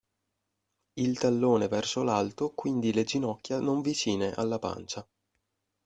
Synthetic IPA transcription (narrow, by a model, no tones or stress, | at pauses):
ilt̪alːoːnevɛrsolalt̪okwind̪iled͡ʒinɔkːjanoɱvit͡ʃiːneʔa̰lːapa̰nt͡ʃa